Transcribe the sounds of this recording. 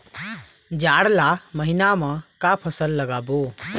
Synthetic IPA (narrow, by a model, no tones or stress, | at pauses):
d͡ʒaɽlaməɦinamãkapʰəsəlːəɡabo